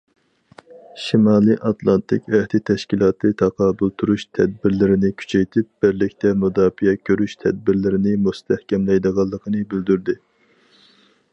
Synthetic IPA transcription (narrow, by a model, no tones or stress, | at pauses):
ʃimɑːlˠiʔɑt̪lˠɑnt̪ʰɪkʲɛht̪ɪt̪ʰɛʃkʲilˠɑːt̪ʰɨt̪ʰɑqʰɑːbulˠt̪ʰuɾuʃt̪ʰɛd̪̚bɪɾlɪɾɪnɪkʲʰy̥t͡ʃʰɛjt̪ʰɪp̚b̥ɪɾlɪkʲt̪ʰɛmud̪ɑːfijɛkʲʰøɾyʃt̪ʰɛd̪̚bɪɾlɪɾɪnɪmust̪ʰɛhkʲɛmlɛjd̪əʁɑlˠːəqʰənɨbɪld̪yɾd̪ɪ